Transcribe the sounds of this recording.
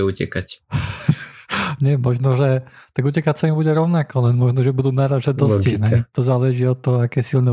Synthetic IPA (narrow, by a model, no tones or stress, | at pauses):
ɛucɛ̰kac | ɲɛmɔʒnɔʒɛt̪aɡucɛkacsaimbuɟɛɾɔʊnakɔlɛnmɔʒnɔʒɛbud̪uːnaːɾaʒɛd̪ɔsinɦɛt̪ɔzaːlɛʒiːɔt̪ːɔɦɔakɛːsilnɛ